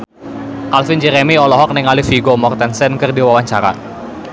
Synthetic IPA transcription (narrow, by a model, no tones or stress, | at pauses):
kalfɪnd͡ʒɛɾemiɔlɔɦɔk̚nɪŋalɪfiɡomɔrt̪ɛnsɛnkɨrdiwawaɲt͡ʃaɾa̰